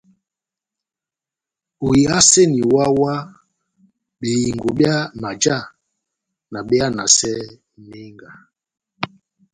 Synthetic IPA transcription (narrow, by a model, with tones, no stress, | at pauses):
u˨ji˨a˦se˦ni˨wa˦wa˦ | ɓe˨ji˨ŋɡo˨ɓja˦ma˨d͡ʒa˦˨ | na˨ɓɛ˦a˦na˨sɛ˦ | ne˦ŋɡa˨